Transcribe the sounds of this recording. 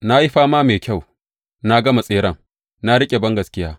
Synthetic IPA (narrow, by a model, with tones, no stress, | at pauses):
na˦ji˦ɸaː˦maː˦meː˨kʲa˦˨w | na˦ɡɐ˦ma˨sʼeː˦ɽɐ˦˨ŋ | na˦ɽɪ˦kʲʼe˨bɐ˦ŋɡɐ˨skʲɪ˦jaː˦